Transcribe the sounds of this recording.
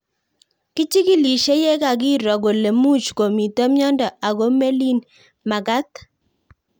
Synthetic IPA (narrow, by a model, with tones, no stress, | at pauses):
kɪ˦t͡ʃi˦ki˦li˨ʃe˦je˦ka˨ɡɪ˦ɾɔ˨ɡo˨le˨mu˦t͡ʃko˨mi˨t̪ɔ˦mjɔ˦ndɔ˨a˨ɡo˦me˦li˦n | ma˨ɡa˦t̪